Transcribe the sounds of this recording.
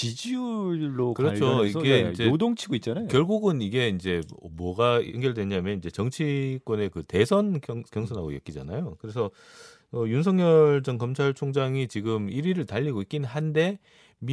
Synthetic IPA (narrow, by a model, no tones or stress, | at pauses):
t͡ɕid͡ʑiuɭːokɯɾʌt͡ɕʰoiɡed͡ʑeodoŋt͡ɕʰiɡoit̚t͡ɕ͈anajokjʌɭɡuɡɯniɡe̞ind͡ʑe̞ʌmwʌɡaʌ̰ŋɡjʌɭdwe̞ɲamjʌnind͡ʑe̞t͡ɕʌŋt͡ɕʰik͈wʌne̞kɯte̞sʰʌnkjʌŋsʰʌnɦaɡo̰jʌ̰k͈id͡ʑa̰najokɯɾe̞sʰʌ | ʌjuns̬ʰʌŋɲʌɭd͡ʑʌŋkʌmt͡ɕʰaɭt͡ɕʰoŋd͡ʑaŋit͡ɕiɡɯmiɾiɾɯɭtaʎːiɡoik͈innɦande̞ | m